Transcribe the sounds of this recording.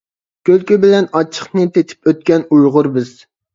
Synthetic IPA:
kʲølkʲybɪlɛnɑt͡ʃʰːə̥χnɨt̪ʰet̪ʰɪ̥pøt̪̚kʲɛnujʁʊɾbɪz̥

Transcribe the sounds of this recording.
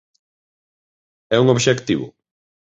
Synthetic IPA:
ɛuŋoβʃekt̪iβʊ̰

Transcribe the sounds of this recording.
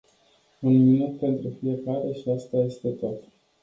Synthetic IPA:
unminut̪̚pe̞nt̪ɾufije̞kaɾe̞ʃiast̪aje̞st̪e̞t̪o̞t̪

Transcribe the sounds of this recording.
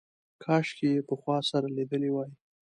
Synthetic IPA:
kʰɑʃkejepəxwɑsaɾalid̪əlewɑji

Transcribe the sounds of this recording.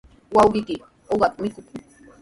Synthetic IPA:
wawɢɪkɪ | oɢɑk̪̚mɪkʊkʊ

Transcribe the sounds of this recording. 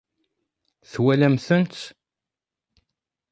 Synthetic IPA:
θwælæmθənt̪

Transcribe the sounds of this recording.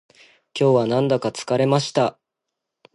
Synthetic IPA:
kʲo̞ːβanãnd̪akat͡sɨ̥kaɾe̞maɕi̥t̪a

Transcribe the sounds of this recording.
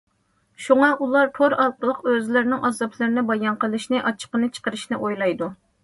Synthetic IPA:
ʃuŋɑʔulˠɑɾt̪ʰoɾɑlˠqəlˠəqøzlɪɾnɪŋʔɑzɑpʰlˠɨɾnɪbɑjɑnqəlˠɨʃnɨʔɑt͡ʃʰə̥qənɨt͡ʃʰə̥qəɾɨʃnɨʔojlˠɑjd̪u

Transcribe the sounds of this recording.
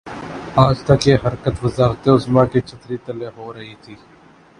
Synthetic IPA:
aːd͡ʒt̪ɐkeːɦɐɾkət̪ʋɐzaːxt̪eʊsmãːkit͡ʃʰɐt̪ɾiːt̪ɐleɦoːɾɐɦiːt̪ʰiː

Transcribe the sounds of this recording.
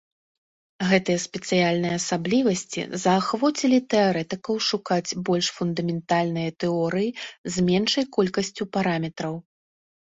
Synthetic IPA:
ɣɛt̪ɨjɐspʲɛt̪sɨjalʲnɨjɐːsablʲivɐsʲt͡sʲḭzɐːxvɔt͡sʲilʲit̪ɛaɾɛt̪ɨkɐwʂukat͡sʲbɔlʲʂfund̪ɐmʲɛnt̪alʲnɨjɐt̪ɛɔɾɨjizmʲɛnʂɐjkɔlʲkɐsʲt͡sʲupaɾamʲɛt̪ɾɐw

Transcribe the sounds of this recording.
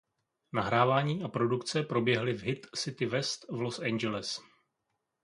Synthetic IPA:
naɦɾaːvaːɲiːʔapɾo̞dukt͡sɛpɾo̞bjɛɦlɪvɦɪt̪sɪt̪ɪvɛst̪vlosɛnd͡ʒɛlɛs

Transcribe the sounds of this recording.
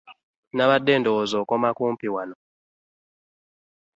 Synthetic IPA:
naβaɗɛndɔɔzɔkɔmakum̩piwanɔ

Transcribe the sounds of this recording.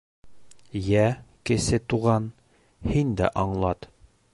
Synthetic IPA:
jækɘ̆sɘt̪uʁɑn | hind̪æ̰ʔɒɴlˠɑt̪

